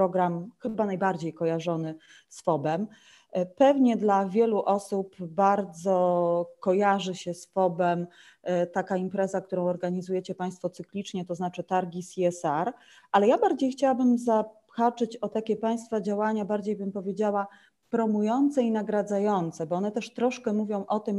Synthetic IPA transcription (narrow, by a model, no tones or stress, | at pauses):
pɾɔɡɾamxɘbanajbaɾd͡ʑejkɔjaʐɔnɘ | sfɔbɛm | pɛvɲɛd̪lavʲjɛluʔɔsupbaɾd̪zɔkɔjaʐɘɕɛsfɔbɛm | t̪akaimpɾɛzakt̪uɾɔ̃w̃ɔɾɡaɲizujɛt͡ɕɛpaj̃st̪fɔt̪sɘklʲit͡ʂɲɛt̪ɔznat͡ʂɘt̪aɾɡʲisʲiɛsaɾ | ʔalɛjabaɾd͡ʑejxt͡ɕawabɘmza | xat͡ʂɛt͡ɕɔt̪akʲɛpaj̃st̪fad͡ʑawaɲabaɾd͡ʑejbɘmpɔvʲjed͡ʑawa | pɾɔmujɔnt̪sɛinaɡɾad̪zajɔnt̪sɛbɔɔnɛt̪ɛʂt̪ɾɔʂkɛmuvʲjɔ̃w̃ʔɔt̪ɘm